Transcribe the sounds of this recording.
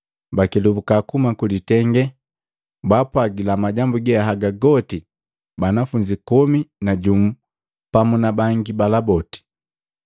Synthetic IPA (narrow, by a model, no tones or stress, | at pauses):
bakilubukakumakulitɛŋɡɛ | bapwaɡilamaɟambuɡɛaɦaɡaɡɔti | banafuɲd͡ʒikɔminaɟum̩ | pamunabaŋɡibalabɔti̥